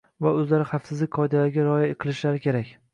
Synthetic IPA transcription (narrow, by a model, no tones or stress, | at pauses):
vaɵzlaɾɪχɑfsɪzlɪkʲqʰɒjd̪alaɾɡʲaɾɒjaeqʰɨlˠɪʃlaɾɪkʲʰe̞ɾakʲ